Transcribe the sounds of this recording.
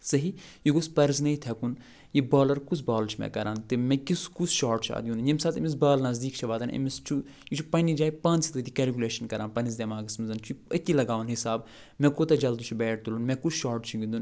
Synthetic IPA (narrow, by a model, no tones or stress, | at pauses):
sɐɦijuɡospɐɾznɐit̪ʰɐkun | jibaːlɐɾkut͡sʰbaːlɾt͡ʃʰmɛ̰̃kɐɾãːnt̪ɨmɛ̃kiskut͡sʰʃaːɾʈt͡ʃʰa̰ːd̪ijũnjimsaːt̪ɐmis̬baːlnɐzd̪iːkt͡ʃʰɐʋaːd̪ɐnɐ̰mist͡ʃʰu | jut͡ʃʰupɐnid͡ʒaːipãːnt͡sit̪ɐt̪ikʲɛːlkʲuleːʃɐnkɐɾãːnpɐnis̬d̪emaːɡismizɐnt͡ʃʰuiɐt̪ʲːilɐɡaːʋɐnɦisaːb | mɛ̃kot̪ɐd͡ʒɐld̪ut͡ʃʰubɛːʈ̚ʰt̪ulunmɛ̃kut͡sʰʃaːɾʈt͡ʃʰiɡʲind̪un